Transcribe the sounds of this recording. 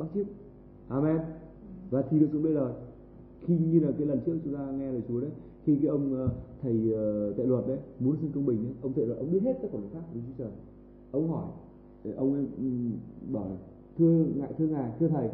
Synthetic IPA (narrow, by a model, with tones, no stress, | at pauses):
ɓaː˦˥k̚t͡ɕi˦˥əp̚ | ʔaː˧˩mɛ˧n | vaː˨˩t̪ʰi˨˩ɗɨ˨ksʊ˨˦ɗə˧jzoː˨˩j | xi˧ŋi˧laː˨˩kaː˨˦jlə˨˩nt͡ɕɨ˦˥ək̚t͡ɕʊ˨˦ŋ͡mt̪aː˧ŋɛ˧zəː˨˩t͡ɕu˨˦ɗə˨˦j | xi˧kaː˨˦jʔə˧wŋ͡mt̪ʰə˨˩jt̪a̰˧˨jlwə˨˩t̚ɗə˨˦jmu˨˦ənsi˧nkə˧wŋ͡mɓï˨˩ŋ̟ɗə˨˦jʔə˧wŋ͡mt̪ʰə˧˩˨zəː˨˩ʔə˧wŋ͡mɓi˦˥ət̚he˦˥t̚kaː˨˦kɔː˨˧˩l̚ːkʰaː˦˥k̚t͡ɕu˨˦t͡ɕəː˨˩j | ʔə˧wŋ͡mhɔ˧˩j | ʔə˧wŋ͡mə˨˦˨ɓɔ˧˩ | t̪ʰɨ˧əŋa̰ː˧˨jt̪ʰɨ˧əŋaː˨˩jt̪ʰɨ˧ət̪ʰə˨˩j